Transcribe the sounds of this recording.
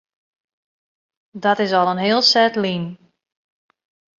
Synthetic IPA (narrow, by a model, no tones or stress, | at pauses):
dɔtɪsɔlˠənɦɪːəlˠsɛtlin